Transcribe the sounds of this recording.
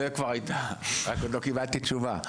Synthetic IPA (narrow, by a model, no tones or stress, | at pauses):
ekvaʁajt̪aaklokibalt̪it͡ʃuva